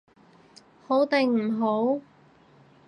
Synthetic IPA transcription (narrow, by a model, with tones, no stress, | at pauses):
ho˨˥wt̪e˨˧ŋm̩˨˩ɦo˨˥w